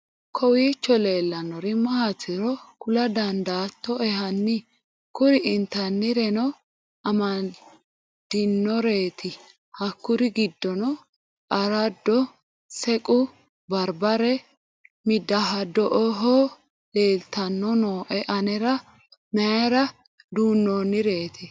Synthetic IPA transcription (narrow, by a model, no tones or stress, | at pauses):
kʰɔwiːt͡ʃːɔle̞ːlːɐnːɔɾɪmɐhatːɪɾɔkʊlɐd̪ɐnd̪aːt̪ːɔɛɦɐnːɪ | kʊɾɪɪnt̪ɐnːɪɾɛnɔ | ɐmɐ | d̪̥ɪnːɔɾe̞ːt̪ʰɪ | hɐkːʊɾɪɡɪd̪ːɔnɔ | ʔɐɾɐd̪ːɔ | sɛkʼʊ | bɐɾbɐɾɛ | mɪd̪ːɐɦɐd̪ɔʔɔɦo | le̞ːlt̪ɐnːɔnoːʔɛʔɐnɛɾɐ | mɛɾɐ | d̪uːnːonːɪɾe̞ːt̪ʰɪ